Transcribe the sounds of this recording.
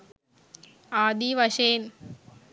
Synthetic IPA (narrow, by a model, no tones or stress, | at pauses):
aːd̪iʋɐʃeːn